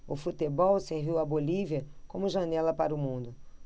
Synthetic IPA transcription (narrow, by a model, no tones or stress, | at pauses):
ʊfut̪ebɔwseɾviwɐboliviɐkõmʊʒɐnɛlɐpaɾʊmũnd̪ʊ